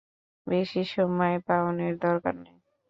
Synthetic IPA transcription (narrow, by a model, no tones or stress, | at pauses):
beʃiʃɔmɔepaoneɾd̪ɔɾka̰ɾnɛj